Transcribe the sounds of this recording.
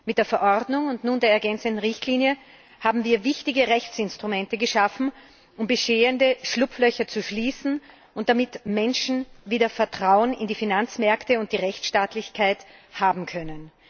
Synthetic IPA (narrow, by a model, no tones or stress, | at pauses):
mɪt̚d̥eːɐfɛɐʔɔʁdnʊŋʊntnuːndeːɐɛɐɡɛnt͡səntn̩ʁɪçtʰliːnjə | haːbm̩viːɐvɪçtɪɡəʁɛçt͡sɪnstʁ̥ʊmɛ̃ntəɡəʃafn̩ | ʔʊmbəʃeːəndəʃlʊpflœçɐt͡suʃliːsn̩ | ʊnt̚d̥amɪtmɛnʃn̩viːdɐfɛɐtʁ̥aʊənɪ̰ndiːfinant͡smɛɐktəʊnt̚d̥iːʁɛçt͡sʃtaːtlɪçkʰaɪthaːbm̩kʰœnən